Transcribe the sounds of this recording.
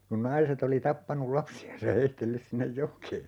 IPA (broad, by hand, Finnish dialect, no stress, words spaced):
kun nɑiset oli tɑpːɑnul lɑpsiɑns jɑ heitːelːys sinːej jokˑeː